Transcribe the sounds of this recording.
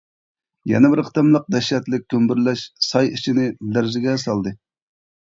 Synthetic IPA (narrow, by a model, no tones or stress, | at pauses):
jɛ̰nɛbɪɾqʰə̥t̪ɨmlˠəq̚d̪ɛʃɛt̪lɪk̚ʲʰːømbɪɾlɛʃsɑjit͡ʃʰinɪlæɾzɪɡʲɛsɑlˠd̪ɨ